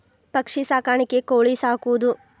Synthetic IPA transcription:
pɐkʂisaːkaːɳikːekoːɭisaːkuʋud̪u

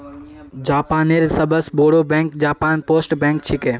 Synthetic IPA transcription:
d͡ʒaːpaːneɾsɐbəsboːɽoːbɛ̃ːŋkd͡ʒaːpaːnpoːsʈbɛ̃ːŋk̚t͡ʃʰɪkeː

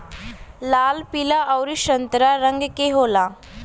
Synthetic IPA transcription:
lalpilaʔəwɾiɕənt̪ɾaɾəŋɡkeɦola

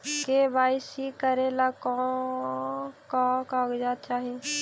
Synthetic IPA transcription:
kebaːisikəɾelakɔ | kakaːɡd͡ʒaːt̪̚t͡ʃaːɦi

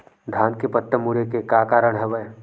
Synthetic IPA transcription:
d̪ʱaːnkepət̪ːəmuɾekekaːkaːɾəɽ̃ɦɛʋə

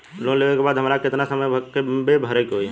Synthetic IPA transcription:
lõleʋekebaːd̪ɦəmaːɾakɪt̪nasəməjkebebʱəɾekɦoiɛ

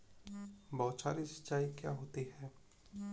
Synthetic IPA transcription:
bɔːt͡ʃaːɾisɐ̥t͡ʃːaːikja̰ɦoːt̪iɦɛː

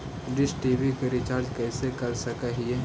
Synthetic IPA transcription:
ɖɪsʈiːbikeɾɪt͡ʃaːɾd͡ʒkɛːsekɐɾsɐkaɦie

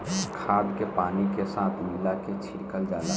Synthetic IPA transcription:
kʰaːd̪kepaːnikesaːt̪ʰmilaket͡ʃʰɪɾkəld͡ʒaːla

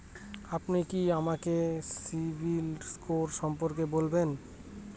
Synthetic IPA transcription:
apnikiamakesibʱilskoɾʃɔmpoɾkebolben

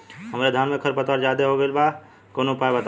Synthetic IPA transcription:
ɦəmɾed̪ʱanmekʰəɾpət̪əɾd͡ʒad̪eɦoɡelba | konopajbət̪

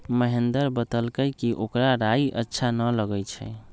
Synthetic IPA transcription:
məɦend̪əɾbət̪əlkəjkiʔokɾaɾaiʔə̰tːʃʰanələɡət͡ʃʰɛ

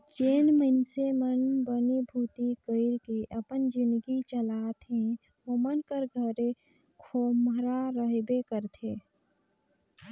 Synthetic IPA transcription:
t͡ʃeːnməɪnsemənbənibʱuːt̪ikəɪɾkeʔəpənd͡ʒɪ̃nd̪ɡit͡ʃəlaːt̪ɦẽ | ʋomənkəɾɡʱəɾe | kʰoːmɾaɾəɦebekəɾt̪ʰeː

